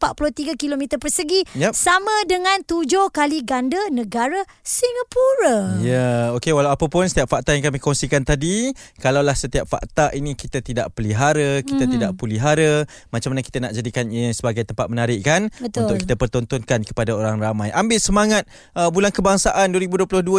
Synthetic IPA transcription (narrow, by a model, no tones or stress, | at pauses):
pat̪̚pulut̪iɡakilomit̪əpərsəɡijsamãdəŋãnt̪ud͡ʒohkaliɡandənə̃ɡaɾa | siŋapuɾajaokewalawapapʊnsə̥t̪iap̚fak̚t̪ajaŋkamikɔŋsikant̪adikalawlahsət̪iap̚fa̰ʔt̪aʔinikit̪at̪idaʔpəliɦaɾəkkit̪at̪idaʔpəliɦaɾə | mat͡ʃamanaki̥t̪anaʔd͡ʒadikansəbaɡajt̪əmpat̪̚mənaɾɪʔkanət̪unt̪ʊkkit̪əpərt̪ɔnt̪ɔnkankə̥padaoɾaŋramajʔambɪʔsəmaŋat̪̚ | əbulankəbaŋsaʔanduəɾibuduəplʊhduə